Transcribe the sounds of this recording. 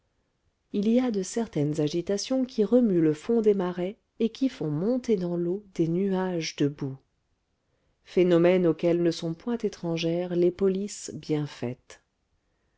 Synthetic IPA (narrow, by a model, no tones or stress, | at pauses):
iliad̪əsɛʁt̪ɛnzaʒit̪asjɔ̃kʲiʁəmyləfɔ̃d̪emaʁɛ | ekʲifɔ̃mɔ̃t̪ed̪ɑ̃lod̪enyaʒd̪əbu | fenɔmɛnokʲɛlnəsɔ̃pwɛ̃t̪et̪χɑ̃ʒɛːʁlepɔlisbjɛ̃fɛ̰t̪